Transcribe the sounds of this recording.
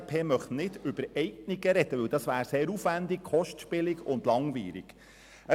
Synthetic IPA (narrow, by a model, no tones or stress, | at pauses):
pʰeːmœχtnɪd̥ʏbəɾɛɪkniɡəɾɛd̥əʋɪwd̥̪ɑsʋæːɾseːɾufʋænd̪ikχɔʃtʃpɪlɪɡʊnd̪lɑŋʋḭːɾḭɡ̥ | ə